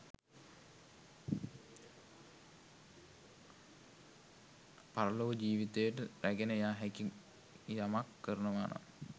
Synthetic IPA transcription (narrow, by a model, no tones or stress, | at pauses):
paɾɐloʋəd͡ʒiːʋit̪ejəʈəɾæɡenəjaːɦæki | jamakːəɾənəʋaːna̰